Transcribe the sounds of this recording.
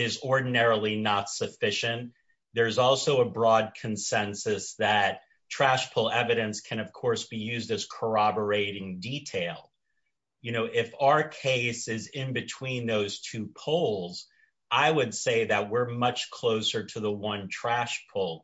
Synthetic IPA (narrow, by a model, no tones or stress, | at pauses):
ɪzɔɹdⁿn̩ɛɹl̩ˠinətsɨfɪʃɨ̃n | ðə˞zɔlˠsoʊəbɹɔd̚kʰɨ̃n̩sɛ̃nsɨsðɨt̚ | tʰɹ̥æʃpʰʊlˠɛvɨɾɨ̃nskʰɨ̃ñʌv̥kʰɔɹsb̥ijʉzdɨz̥kʰə˞ɑbə˞eɪɾɪ̃ŋditʰeɪlˠ | jɨñoʊʔɪfaə˞kʰeɪsɪzɪ̃nbɨtʰw̥ĩnðoʊz̥tʰʉpʰoʊlˠz | ʔaɪwɨdseɪðɨt̚wɪɹmʌt͡ʃkʰl̥oʊsə˞ɾɨðəwʌ̃ntʰɹ̥æʃpʰʊlˠ